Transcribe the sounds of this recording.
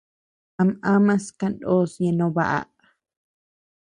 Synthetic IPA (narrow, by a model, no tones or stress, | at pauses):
amãmãskandosjenõβa̰ʔa̰ʔ